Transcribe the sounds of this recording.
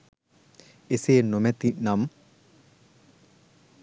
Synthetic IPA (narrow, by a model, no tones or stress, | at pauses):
eseːnomɛt̪inam